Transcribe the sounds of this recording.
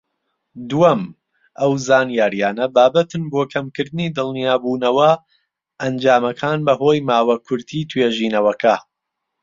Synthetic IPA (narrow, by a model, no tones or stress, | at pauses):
d̪uɐm | ʔɐwzaːnjaːɾijaːnɐbaːbɐt̪ɨnboːkʰɐmkɨɾd̪ɨniːd̪ɨlˠnijaːbuːnɐwɐ | ʔɐnd͡ʒaːmɐkʰaːnbɐɦoːjmaːwɐkʰʊɾt̪ʰiːt̪ʰweːʒiːnɐwɐkʰɐ